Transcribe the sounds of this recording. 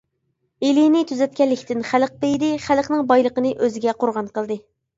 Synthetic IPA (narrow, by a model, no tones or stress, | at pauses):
elinɪt̪ʰyzɛt̪̚kʲɛnlːɪkʲt̪ɪnχælq̚bejd̪ɪχælˠqnɨŋbɑjlˠəqənɨʔøzɪɡʲɛqʰʊɾʁɑnqəlˠd̪ɨ